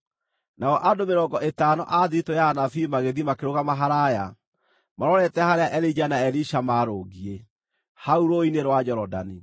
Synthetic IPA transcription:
naɔʔadomeɾɔŋɡɔʔetaːnɔ̰ʔaðiɾitojanafimaɣeðimakeɾoɣamaɦaɾaja | maɾɔɾɛtɛhaɾeaʔɛɾid͡ʒanaɛɾiʃamaɾoːɣie | hauɾoineɾwad͡ʒɔɾɔda̰ni

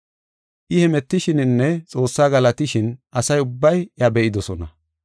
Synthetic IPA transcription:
ʔɪhɛmɛt̪ːɪʃɪnɪnːɛt͡sʼo̞ːsːaːɡɐlɐt̪ɪʃɪnʔɐsɐjʊbːɐjɐbɛʔɪd̪ɔsɔnɐ

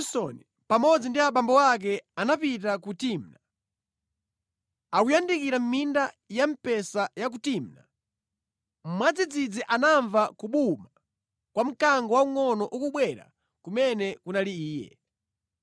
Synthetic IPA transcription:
sɔni | pamɔd͡zindiaɓambɔwak̬ɛanapit̬akutim̩na | akujandikiɾam̩minda | jam̩pɛsajak̬utim̩na̰ | m̩mwad͡zid͡zid͡ziʔanaɱvakuɓuma | kwam̩kaŋɡɔwauŋɔnɔʔukuɓwɛɾa̰ | kumɛnɛkunaliiːjɛ̰

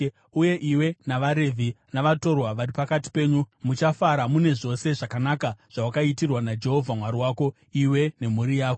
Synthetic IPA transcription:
uje̞ʔiwe̞naʋaɾe̞vʱinaʋato̞rwaʋaripakati̥pe̞ːɲumut͡ʃafaɾamune̞ʐo̞se̞ʐakanakaʐ̥awakaitirwanad͡ʒe̞ɦo̞vʱamwaɾiwaːko̞ | iwe̞ne̞muɾijaːko

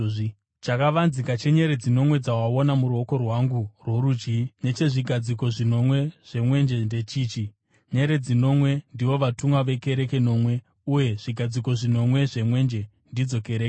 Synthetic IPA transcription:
t͡ʃakaʋanzikat͡ʃe̞ɲe̞ɾe̞d͡zino̞mwe̞d͡zawao̞namuɾuo̞ko̞rwaŋɡurwo̞ɾud͡ʒɡine̞t͡ʃe̞ʐiɡʱad͡ziko̞ʐino̞mwe̞ʐ̥e̞mwe̞nd͡ʒe̞nde̞t͡ʃiːt͡ʃi | ɲe̞ɾe̞d͡zino̞mwe̞ndiʋo̞ʋatumwaʋe̞ke̞ɾe̞ke̞no̞ːmwe̞ | uje̞ʐ̥iɡʱad͡ziko̞ʐino̞mwe̞ʐe̞mwe̞nd͡ʒe̞ | ndid͡zo̞ke̞ɾeke

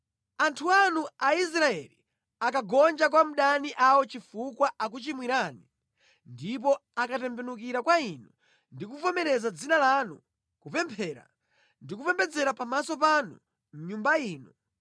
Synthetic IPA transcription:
antʰuanuais̬ɾaɛlḭ | akaɡɔnd͡ʒak̬wam̩ɗaniʔawɔt͡ʃifukwaʔak̬ut͡ʃimwiɾaːni | ndip̬ɔakapɛmpʰɛnuk̬iɾakwainu | ndikupɔmɛɾɛzad͡zinalanu | kupɛmpʰɛːɾa̰ | ndikupɛmpɛd͡zɛɾapamasɔpanṵ | m̩ɲumbaiːnu

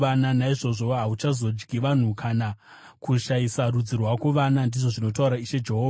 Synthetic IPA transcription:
ananaiʐo̞ʐo̞ɦaut͡ʃazo̞d͡ʒɡʱiʋan̤ukʰana | kuʃajisaɾud͡zirwakuʋanandiʐo̞ʐino̞tauɾaiʃe̞d͡ʒe̞ɦoːa

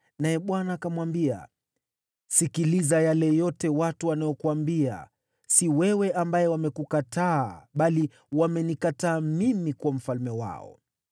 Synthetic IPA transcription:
najɛɓwanakamwambia̰ | sikilizajalɛjɔtɛwatuanajɔkuwambia̰ | siwɛwɛʔambajɛwamɛkukataːɓali | wamɛnikataːmimikwam̩falmɛwa̰ɔ̰

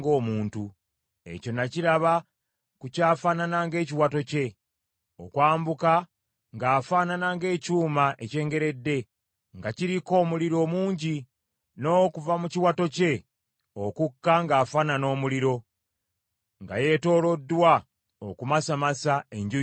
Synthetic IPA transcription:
ɡo̞ːmuːntu | e̞̰co̞naciɾaβa | kucaːfananaŋɡe̞ːciwato̞ce̞ | o̞̰kwaːmbuka | ŋɡaːfaːnanaŋɡe̞ːcuːmaʔece̞ːŋɡe̞ɾe̞dːe̞ | ŋɡaciɾiko̞ːmuliɾo̞ːmuːɲɟi | no̞ːkuvamuciwato̞ce̞ | o̞kukːaŋɡaːfanano̞ːmuliɾo̞ | ŋɡa̰je̞to̞ːlo̞dːwa | okumasamasae̞ɲɟu

